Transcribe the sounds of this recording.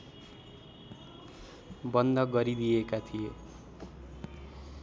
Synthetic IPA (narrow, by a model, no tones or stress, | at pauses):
bʌnd̪ʱʌɡʌɾid̪ijekat̪ʰije